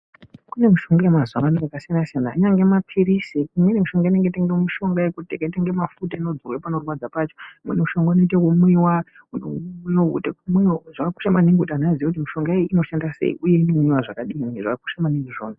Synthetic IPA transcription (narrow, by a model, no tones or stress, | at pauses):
kune̞muʃo̞ŋɡajemazamanokakasianasijanaiɲaŋɡe̞mapʰiɾisiimwenemiʃo̞ŋɡaine̞ŋɡeiteŋɡemuʃo̞ŋɡaekutekaiteŋɡemafutainod͡zurwepanorwad͡zapaːt͡ʃo̥mnuʃo̞ŋɡainoitekumwiwa | ununoṵtekumiwoʐakaku̥ʃamaniŋɡutanazijekut̬imiʃo̞ŋɡaeino̞ʃandasḛḭʔuje̞inouɲiwaʐakaɗimuneʐakaku̥ʃamaniŋɡuʐoːna